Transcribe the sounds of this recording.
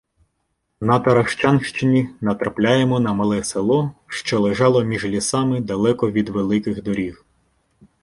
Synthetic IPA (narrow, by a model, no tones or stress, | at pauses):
nɐt̪ɐɾɐʃt͡ʃɑnʃt͡ʃɪnʲinɐt̪ɾɐplʲajemɔnɐmɐlˠɛselˠɔʃt͡ʃɔlˠeʒɑlˠɔmʲiʒlʲisɑmɪd̪ɐlˠɛkɔʋʲid̪ʋelˠɪkɪɣd̪ɔɾʲix